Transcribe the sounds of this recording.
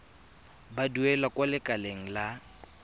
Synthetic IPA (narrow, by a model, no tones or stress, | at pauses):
baduɛlakʼwalɪkʼaleŋ̩la